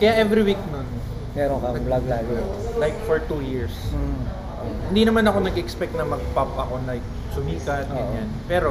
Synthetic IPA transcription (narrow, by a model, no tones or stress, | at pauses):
kɐjaʔɛvɾiwik̚non | mɛːɾoŋkɐblaɡlaːɡɛlajk̚foɹt̪ujiɹs | ʔohɪnd̪inɐmanɐko̞nɐɡɛʔɛkspɛk̚t̪nɐmɐɡ̚pɐpɐko̞lajk̚ | sʊmiːkɐt̪ɡɐnjanpɛːɾo̞